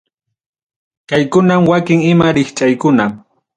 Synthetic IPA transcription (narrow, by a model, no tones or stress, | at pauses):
kajkʊnamwakɪŋɪmaɾɪχt͡ʃʼajkʊna